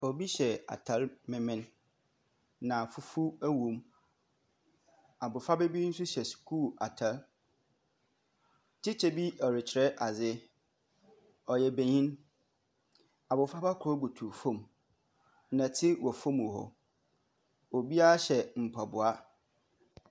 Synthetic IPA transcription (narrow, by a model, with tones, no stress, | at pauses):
ɔ˨bi˦ɕɛ˨a̰˨tʰa˨˦lmɪ̃˨mɪ̃˦n | ã˨fu˦fu˦æ˦wũ˨˦m | a˨bʊ˨fa˦be˦bi˦n̩˦sʊ˦ɕɛ˨su̥˨kʰu˦˨la˨tʰa˨˦l | tʰɪ˦t͡ɕʰɛ˦bi˦ɔ˨ɾɪ˨t͡ɕʰɪ˨ɛ˦ʔa˨zɪ˦ | ɔ˨jɛ˨be˨ɲĩ˦n | a˨bʊ˨fa˦ba˦kʰɔ˦bu˨tʰu˨fõ˦˨m | nã˨tʰɪ˦wɔ˨fõ˦m˨ɔ˨ɦɔ̰˨ | o˨bi˦a˦a˦ɕɛ˨m̩˨pʰa˨bʊ˨a˦